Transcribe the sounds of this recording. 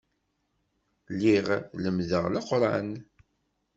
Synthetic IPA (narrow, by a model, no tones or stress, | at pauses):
lːiʁləmðəʁlaqɾˤɑn